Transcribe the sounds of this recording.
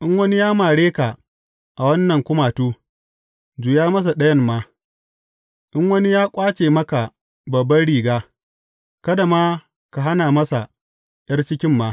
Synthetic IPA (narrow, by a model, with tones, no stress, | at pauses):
ʔɪ˦ŋwɐ˦ni˦jaː˦maː˨ɽeː˦ka˨ | ʔa˨wɐ˦nːɐ˨ŋkʷʊ˦maː˨tuː˦ | d͡ʒuː˨jaː˦mɐ˦s̬a˨ɗɐ˦jɐ˦nmːaː˦ | ʔɪ˦ŋwɐ˦ni˦jaː˦kʷʼaː˦t͡ʃeː˨mɐ˦ka˨ | bɐ˨bːɐ˦nɽiː˨ɡaː˦ | kɐ˦da˨maː˦ | ka˨ɦa˦naː˨mɐ˦sa˨ | jɐ˦rt͡ʃɪ˦kʲɪ˦mːaː˦